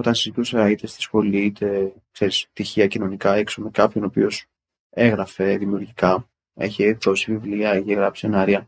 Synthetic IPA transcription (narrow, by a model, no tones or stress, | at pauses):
o̞t̪ɐnsizit̪useɐit̪est̪i̥sxo̞liit̪e̞ | kse̞ɾist̪içiɐcino̞nikɐeksomekɐpço̞no̞pio̞s | eɣɾɐfe̞ðimiuɾʝikɐ | ḛçeðo̞sivivliɐeçeɣɾɐpsi̥enɐɾiɐ